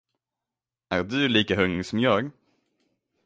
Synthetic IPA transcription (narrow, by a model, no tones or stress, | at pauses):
ʔæːɾɖɵliːkaɦɵŋsɔmjɑːɡ